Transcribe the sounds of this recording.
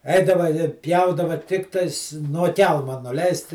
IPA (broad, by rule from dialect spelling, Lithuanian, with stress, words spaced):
ˈɛɪdɐʋɐ ɪ ˈpʲjɛʊdɐʋɐ ˈtʲɪktɐɪs nuɔ ˈkʲɛlˠmɐ nʊˈlʲɛɪst